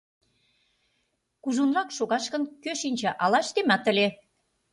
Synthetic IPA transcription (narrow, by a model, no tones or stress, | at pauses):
kuʒunrɑkʃoɣɑʃkə̆nkøʃinʲt͡ɕɑʔɑlɑʃt̪emɑt̪ə̆le